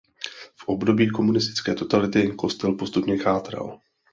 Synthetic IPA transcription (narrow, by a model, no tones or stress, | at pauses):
fʔo̞bdo̞biːko̞munɪst̪ɪ̥t͡skɛ̰ːt̪o̞t̪alɪt̪ɪko̞st̪ɛlpo̞st̪upɲɛxaːt̪ɾa̰l